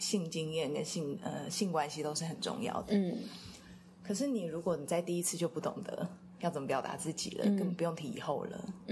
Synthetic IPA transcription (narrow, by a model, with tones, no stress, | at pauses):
ɕi˥˩ŋt͡ɕi˥ŋjɛ˥˩nkə˦nɕi˥˧ŋə˧ɕi˥˩ŋkwa˦nɕi˧˥t̪o˥ʊʂɻ̩˥˩xə˨˩nʈ͡ʂʊ̰˧ŋjɑ̰˥˩ʊd̪ə˩ | kʰɤ˨˩ʂɻ̩˥˩ni˨˩ɻu˧˥kwɔ˧˥ni˨˩t͡sa˥˧ɪt̪i˥˩i˦˥t͡sʰɹ̩˥˧t͡ɕjo˥˧ʊpu˥˩t̪ʊ̰˨˩ŋd̪ə̰˩ | jt͡sə˨˩mə˦pjɑ˨˩ʊt̪a̰˧˥t͡sɹ̩˥˩t͡ɕḭ˨˩lə̰˦ə˥˩n˨pu˧˥jo˥˩ŋt̪ʰi˧˥ḭ˨˩xo˥˩ʊlə̰˩